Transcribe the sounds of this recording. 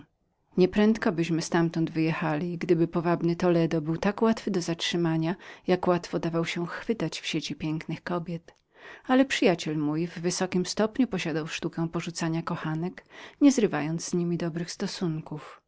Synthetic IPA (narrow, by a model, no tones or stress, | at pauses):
ɲɛpɾɛnt̪kɔbɘɕmɘst̪amt̪ɔnd̪vɘjɛxalʲiɡd̪ɘbɘpɔvabnɘt̪ɔlɛd̪ɔbɘwt̪akwat̪fɘd̪ɔzatʂɘmaɲajakwat̪fɔd̪avawɕɛxfɘt̪at͡ɕfɕet͡ɕipʲjɛŋknɘxkɔbʲjɛt̪ | alɛpʂɘjat͡ɕɛlmujvːɘsɔkʲimst̪ɔpɲupɔɕad̪awʂt̪ukɛ̃w̃pɔʐut̪saɲakɔxanɛkɲɛzɾɘvajɔnd̪zzɲimʲid̪ɔbɾɘxst̪ɔsuŋkuf